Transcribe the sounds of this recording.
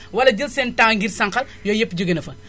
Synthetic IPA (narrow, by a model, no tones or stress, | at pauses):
wɐlɐd͡ʒilsentaŋɡiɾsɐŋkɐl | joːjepːɟuɡɐnɐfɐ